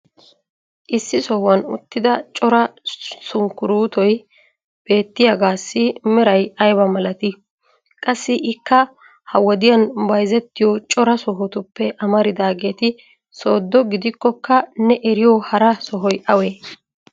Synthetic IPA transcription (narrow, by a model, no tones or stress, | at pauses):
ʔɪsːɪsɔhwɐnʊ̰t̪ːɪd̪ɐt͡ʃʼɔɾɐsʊŋkːʊɾuːt̪ɔj | b̥e̞ːt̪ːɪjɐɡaːsːɪmɪɾɐjɐjbɐmɐlɐt̪ɪ | kʼɐsːɪʔɪkːɐ | hɐwɔd̪ɪjɐnbɐjzɛt̪ːɪjɔt͡ʃʼɔɾɐsɔɦɔt̪ʊpːɛʔɐmɐɾɪd̪aːɡeːt̪ɪ | so̞ːd̪ːɔɡɪd̪ɪkːɔkːɐnɛʔɛɾɪjɔhɐɾɐsɔɦɔjʔɐweː